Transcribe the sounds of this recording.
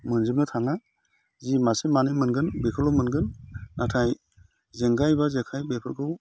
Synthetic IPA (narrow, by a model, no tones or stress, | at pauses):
mɯnzɯp̚nɯtʰaŋa | zimasemanimɯnɡɯnbekʰɯlɔmɯnɡɯnːatʰaj | zeŋɡajbazekʰajbepʰɯɾkʰɯw